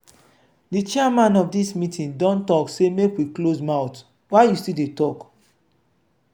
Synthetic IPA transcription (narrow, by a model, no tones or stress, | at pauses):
dit͡ʃɛamãnɔfdismĩtʰĩndɔ̃ntɔksemekwiklosmãʊt | waɪjustildetɔk